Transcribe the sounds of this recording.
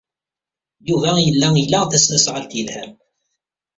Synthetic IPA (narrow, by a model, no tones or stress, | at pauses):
juvæjəlːæilːæθæsnæsʁəlt̪əlhæm